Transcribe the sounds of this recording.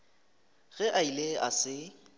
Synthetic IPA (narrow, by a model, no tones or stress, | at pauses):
ɣɛʔaileʔa̰sɪ